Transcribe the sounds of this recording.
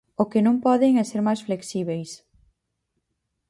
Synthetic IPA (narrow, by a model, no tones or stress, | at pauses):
ʊkɪnõŋpɔðeŋeseɾmajsfleksiβejs